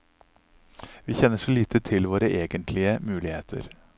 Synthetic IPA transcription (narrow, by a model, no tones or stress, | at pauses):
ʋiːçɛnːəʂɔliːt̪ʰət̪ʰɪlʋoːɾəʔeːɡənt̪ʰlɪəmʉːlɪheːt̪ʰə̰ɾ